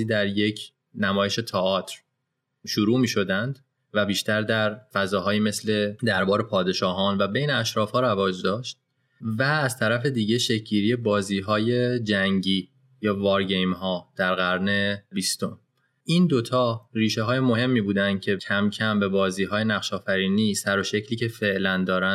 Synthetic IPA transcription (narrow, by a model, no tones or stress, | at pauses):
iːd̪æɾje̞cʰ | næmɒːje̞ʃe̞t̪ʰɒɒːt̪ʰɾ | ʃuɾuːmiːʃo̞d̪ænd̪ | væbiːʃt̪æɾd̪æɾfæzɒːɦɒːjiːme̞sle̞d̪æɾbɒːɾe̞pʰɒːd̪e̞ʃɒːɦɒːnvæbe̞jneæʃɾɒːfhɒːɾævɒːd͡ʒd̪ɒːʃt̪̚ | væːzt̪ʰæɾæfe̞d̪iːɟe̞ʃe̞cʰɟiːɾiːje̞bɒːziːɦɒːje̞d͡ʒæŋɟiː | jɒːvɒːɾɟe̞jmɦɒːd̪̥æɾɣæɾne̞bist̪o̞m | ʔiːnd̪o̞t̪ʰɒːriːʃeɦɒːjemo̞ɦe̞mːiːbuːd̪ænd̪̥̚cʰe̞cʰæmcʰæmbe̞bɒːziːɦɒːjenæχʃɒːfæɾiːniːsæɾo̞ʃecʰliːcʰe̞fe̞ʔlænd̪ɒːɾæ